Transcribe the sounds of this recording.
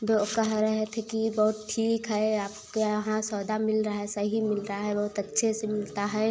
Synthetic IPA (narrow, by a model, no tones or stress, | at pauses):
bkəɦɾɛɦet̪ʰekibɐɦʊt̪ʈʰiːkɦɛaːpkeɦãsɔːd̪amɪlɾaɦaɦɛsəɦimɪlɾəaɦɛbɐɦʊt̪ɐtːʃʰesemɪlt̪aɦɛː